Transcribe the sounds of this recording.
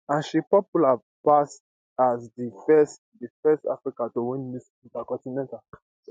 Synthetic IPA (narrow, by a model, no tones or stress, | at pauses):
ãʃipɔpula | pas | azdifɛs | defɛsta̰fɾikatowɛ̃nnis | ũtakɔ̃tinɛ̃nta